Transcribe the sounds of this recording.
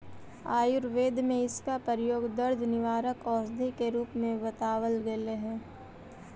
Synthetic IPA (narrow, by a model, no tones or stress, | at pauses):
aːjʊɾʋeːd̪ʱmẽɪskapəɾjoːɡd̪əɾd̪ʱnɪʋaːɾəkɔːsd̪ʱikeɾuːpmẽbɐt̪aːʋəlɡeleɦɛ̃ː